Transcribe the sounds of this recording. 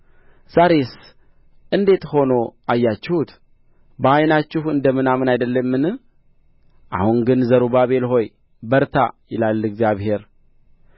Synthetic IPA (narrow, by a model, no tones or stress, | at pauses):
saɾes | ʔɨnd̪e̞t̪ho̞no̞ʔajːat͡ʃːɪhut̪ | bəajnat͡ʃːɪhɨnd̪əmɨnamɨnajd̪əlːəmːɨn | ʔa̰hunɡɨnzəɾubaβe̞lɦo̞j | bəɾt̪ʰa̰jɪlalːɨɡzjaβhe̞ɾ